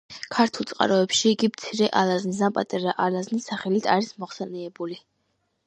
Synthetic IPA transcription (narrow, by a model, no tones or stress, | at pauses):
kʰaɾt̪ʰulˠt̪sʼqʼa̰ɾɔɛpʃiːɡimt̪sʰiɾɛʔalˠaznizapʼat̪ʼaɾaʔalaznisːaχɛlit̪ʰaɾismɔχsɛnɛːbuli